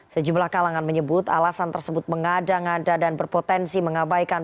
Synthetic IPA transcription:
səd͡ʒumlahkalaŋanməɲəbʊt̪a̰lasant̪ərsəbʊt̪̚məŋadaŋadadanbərpot̪ɛnsiməŋabajkan

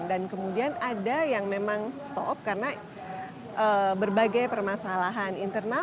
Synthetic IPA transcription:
ndankəmudianadajaŋmemaŋst̪ɔ̰p̚karəna | ʔəbərbaɡajpərmasalaɦanint̪ərna

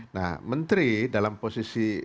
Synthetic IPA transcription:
na̰hmənt̪ɾidalamposisi

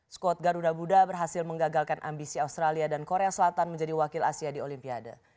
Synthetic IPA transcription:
skɔt̪̚ɡaɾudabudabərɦasɪlməŋɡaɡalkanʔa̰mbisiaust̪ɾaliadankoɾeasəlat̪anməɲd͡ʒadiwakɪlasiadiolimpiada̰

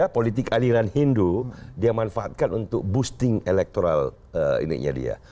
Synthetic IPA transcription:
apolit̪̬ɪkaliɾanhindudiamanfaʔat̪̚kanunt̪ʊk̚bust̪ɪŋelɛk̚t̪oɾal | əḭnḭʔ̚ɲa̰dḭa̰

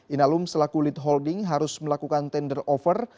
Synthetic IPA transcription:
ʔinalʊmsəlakulɪt̪̚ɦɔldɪŋɦaɾʊsməlakukant̪ɛndərɔfər

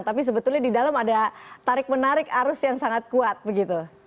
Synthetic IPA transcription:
nt̪ap̬is̬əbət̪ʊlɲadidaləmadat̪aɾɪk̚mənaɾɪkaɾʊsjaŋsaŋat̪̚kuat̪̚bəɡit̪u

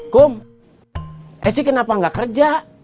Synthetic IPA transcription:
kom | ʔɛsikənapaŋɡakərd͡ʒa

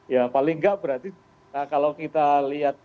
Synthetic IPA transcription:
japalɪŋɡaʔbəɾart̪i | akalawkit̪aliat̪̚

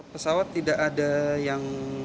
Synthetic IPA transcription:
pəsawat̪ːidaʔːdajaŋ

